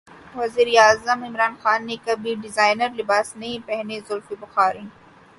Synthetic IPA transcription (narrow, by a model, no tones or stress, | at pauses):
ʋɐziːɾeaːzəmɪmɾaːnxaːnːekɐbʱiɖɪzaːɪnəɾlɪbaːsnɐɦĩpɛɦnezʊlfibʊxaːɾĩː